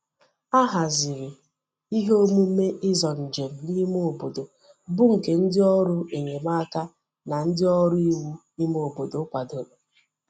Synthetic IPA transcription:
a˦ɦa˨zɪ˨ɾɪ˨ | i˦ɦo˦mu˦me˦ʔɪ˦zɔ˨n̩˨d͡ʒe˨m̩˨ni˦mo˦˨bo˨do˨ | bʊ˦ŋ̩˨ke˨n̩˦dɪ˦ɔ˦ɾʊ˦e˨ɲe˨ma˦ka˦ | na˨n̩˦dɪ˦ɔ˦ɾʊ˦i˦wu˦ni˦m˦o˨bo˨do˨˦kʷa˨do˨ɾ

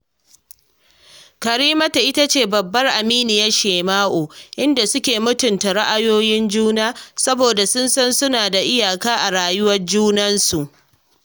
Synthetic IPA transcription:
kɐ˨ɾiː˦mɐ˦ta˨ʔɪ˦ta˦t͡ʃeː˦˨bɐ˨bːɐ˦rʔa˨miː˦nɪ˨jɐ˦ʃeː˨maː˦ʔoː˨ʔɪ˦nda˨sʊ˦kʲeː˨mʊ˦tʊ˨nta˨ɽa˦ʔa˨joː˦jɪ˦nd͡ʒuː˦naː˦sɐ˦boː˨da˨sʊ˦nsɐ˦nsʊ˦naː˨da˨ʔɪ˦jaː˨kaː˦ʔa˨ɾaː˨jʊ˦wɐ˦rd͡ʒuː˦nɐ˦nsu˨ʔ

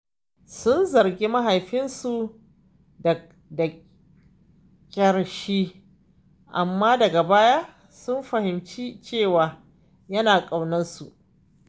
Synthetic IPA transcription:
sʊ˦nzɐ˨ɾɡʲe˦mɐ˦ɦa˨jɸɪ˦nsu˨ | dɐ˨ | da˨ | kʲʼɐ˨ɽʃiː˦ | ʔa˨mːaː˦dɐ˨ɡa˨baː˦jaː˦ | sʊ˦mɸɐ˨hɪ˨mt͡ʃi˦t͡ʃeː˦˨waː˨ | jɐ˦naː˨kʼa˨wnɐ˦nsu˨ʔ

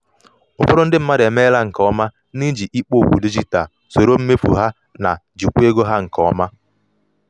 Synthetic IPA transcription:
ʊ˨pʊ˦ɾʊ˦n̩˦dɪ˦m̩˦ma˦ɾɪ˨e˨me˦la˦ŋ̩˨kɔ˨˦ma˦ | ni˦d͡ʒi˨ʔi˦k͡po˦˨kʷṵ˨di˦d͡ʒi˦ta˨ | so˨ɾo˦m̩˦me˦fṵ˨ɦa˦ | na˨ | d͡ʒu˨kʷu˦e˦ɡo˦ɦa˦ŋ̩˨kɔ˨˦ma˦

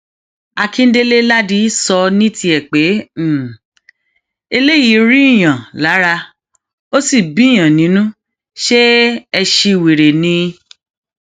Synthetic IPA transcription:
a˧kĩ˦n̩˦de˦le˦la˦di˦sɔ˧nĩ˦ti˧˦ɛ˨k͡pe˨˦˨ | e˧le˦ji˨˦ɾi˦i˦˨j̃ã˨la˨˦ɾa˧ | o˦si˦˨bi˨˦˨j̃ã˨nĩ˨˦nũ˦ | ʃe˦ɛ˧ʃi˧˨wi˨ɾe˨nĩ˧

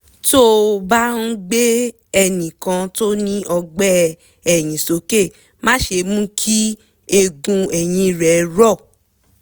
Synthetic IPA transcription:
to˦˧ba˦n̩˦ɡ͡be˦ | ɛ˧nĩ˨kã˧to˦nĩ˦ʔɔ˧ɡ͡bɛ˦ | ɛ˨j̃ĩ˨so˨˦ke˦˨ | mã˦ʃe˧mũ˦kʰi˦ | e˧ɡũ˧ɛ˨j̃ĩ˧˨ɾɛ˨ɾɔ˦˨

